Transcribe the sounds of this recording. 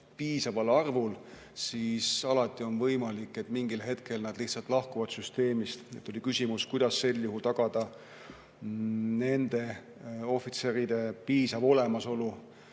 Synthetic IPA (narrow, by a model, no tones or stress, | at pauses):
piːsɑvɑlɑrvul | sisɑlɑt̪ːˑio̞nvɤjmɑlikːˑe̞t̪ːˑmiŋɡilɦe̞t̪ke̞lnɑd̪liht̪sɑlt̪ˑlɑhkuvɑd̪̥syst̪e̞ːmist̪et̪ːˑolʲikysʲimuskujd̪̥ɑsːe̞ljuɦult̪ɑɡ̥ɑd̪̥ɑ | ne̞nd̪̥e̞ | o̞fit̪se̞ɾid̪̥e̞piːsɑvo̞le̞mɑso̞lu